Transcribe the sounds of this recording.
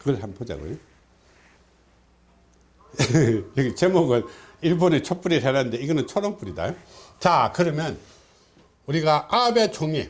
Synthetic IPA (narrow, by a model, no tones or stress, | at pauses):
kɯɡʌɭɦanpʰod͡ʑa̰ɡo̰jo | jʌɡit͡ɕemoɡɯɭiɭbonet͡ɕʰop͈uɾiɾʰenanndeiɡʌnɯnt͡ɕʰoɾʌŋpuɾida̰jot͡ɕakɯɾʌmjʌn | uɾiɡaʔabet͡ɕʰoŋe